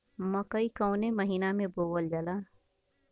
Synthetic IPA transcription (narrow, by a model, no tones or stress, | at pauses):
mɐkəikəʊneməɦiːnamẽboːwəld͡ʒɐlaː